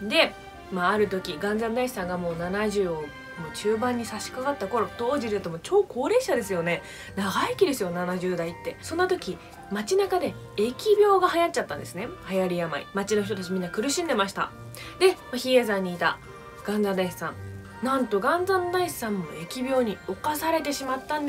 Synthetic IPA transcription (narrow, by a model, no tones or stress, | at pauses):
d̪e̞ | maːɾɯ̟t̪o̞kʲiɡãnd͡zãnd̪aissãŋɡamo̞ːnanaʑɨː | moːt͡ɕɨːbãɲ̟ːisaɕi̥kaɡat̪ːako̞ɾo̞t̪o̞ːʑiɾɯt̪omot͡ɕo̞ːko̞ːɾe̞ːɕad̪e̞sɨjo̞ne̞ | naɡaikʲid̪e̞sɨjo̞nanaʑɨːd̪ait̪ːe̞sõ̞nːat̪o̞kʲi | mat͡ɕinakad̪e̞ | ekʲibʲo̞ːɡaɦajat̚t͡ɕːat̪ːãnd̪e̞sɨne̞hajaɾʲijama̰ḭmat͡ɕino̞çi̥t̪ot̪at͡ɕimʲĩnːakɯ̟ɾɯ̟ɕĩnd̪e̞maɕ̬i̥t̪a̰ | d̪e̞maçiezãɲ̟ːiːt̪a̰ | ɡ̥ãnd͡zãnd̪aissãŋ | nãnt̪o̞ɡãnd͡zãnd̪aissãmːo̞e̞kʲibʲjo̞ːɲ̟io̞kasaɾe̞t̪e̞ɕimat̪ːãnd̪